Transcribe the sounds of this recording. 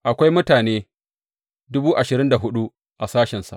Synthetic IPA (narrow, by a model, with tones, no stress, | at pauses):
ʔa˨kʷa˦jmʊ˦taː˨neː˦ | dʊ˦buː˦ʔa˨ʃɪ˨ɾɪ˦nda˨ɦʊ˦ɗu˦ | ʔa˨saː˦ʃɛ˨nsa̰˨ʔ